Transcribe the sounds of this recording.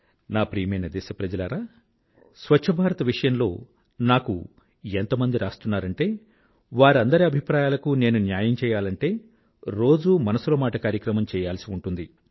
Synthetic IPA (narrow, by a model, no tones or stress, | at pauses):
naːpɾiːmenɐd̪ɛːsɐpɾɐd͡ʒɐlɐɾaː | sʋɐtʂʰɐbʱaːɾɐt̪ɐʋiʂɐjɐmlo̞ː | naːkṵ | ent̪ɐmɐnd̪iɾaːst̪unːaːɾɐɳʈe̞ː | ʋaːɾɐnd̪ɐɾiɐbʱipɾaːjaːlɐkune̞ːnunjaːjɐmt͡ʃɛːjaːlɐɳʈe̞ː | ɾo̞ːd͡ʒumɐnɐsulɐmaːʈɐkaːɾjɐkɾɐmɐmt͡ʃɛːjaːlsiuɳʈund̪i